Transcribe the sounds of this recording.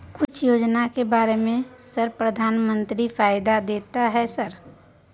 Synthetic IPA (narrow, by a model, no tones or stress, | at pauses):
kʊt͡ʃʰjoːd͡ʒnakebaːɾemẽsəɾpɾəd̪ʱaːnmə̃nt̪ɾifʰaːɪd̪ad̪eːt̪aɦɛsəɾ